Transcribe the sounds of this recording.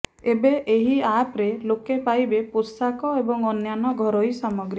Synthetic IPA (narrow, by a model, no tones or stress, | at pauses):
ebeʔeɦiapɾelokepajbepuɾsakɔebɔŋɔnjanɔɡʱɔɾɔjsamɔɡɾi